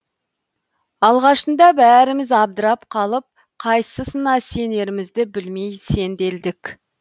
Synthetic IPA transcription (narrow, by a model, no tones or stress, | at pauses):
ɑlˠʁɑʃənd̪ɑbæɾɪmɪzɑb̚d̪əɾɑpqʰɑlˠəp̚ | qʰɑjsəsənɑse̞ne̞ɾɪmɪzd̪ɪbɪlmejse̞nd̪e̞ld̪ɪkʲ